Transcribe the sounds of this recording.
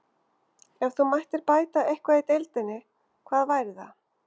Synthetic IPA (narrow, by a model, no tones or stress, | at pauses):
ɛvθumajht̪ɪɾpaːjt̪aʔejhkvaet̪ejlt̪ɪnːɪ | kʰvaːðvajɾɪða̰